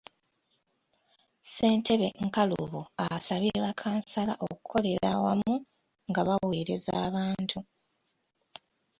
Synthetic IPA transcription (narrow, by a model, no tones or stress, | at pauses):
se̞ːntʰe̞βe̞ŋkalṵβoasaβeːβakʰaːnsalaʔo̞kukʰo̞le̞ɾa̰wamu | ŋɡaβaweɾe̞za̰ːβaːntʰu